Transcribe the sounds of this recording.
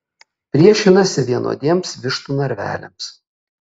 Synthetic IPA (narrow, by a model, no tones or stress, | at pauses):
pʲɾʲiɛʃʲɪnɐsʲɪʋʲiɛnʔo̰ːd̪ʲiɛmsʋʲɪʃt̪uːnɐɾʲʋʲæ̰ːlʲɛ̰ms